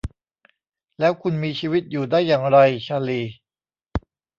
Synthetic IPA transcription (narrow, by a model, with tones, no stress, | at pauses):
lɛː˦˥wkʰu˧nmiː˧t͡ɕʰiː˧wi˦˥t̪̚juː˨˩daː˥˩jːaː˨˩ŋɾa˧jt͡ɕʰa˧liː˨˩